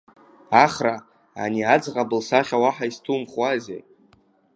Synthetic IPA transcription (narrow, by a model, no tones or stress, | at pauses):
aχra | a̰niad͡zqʼabɨlsaχʲawaħaistʰumχwazḛ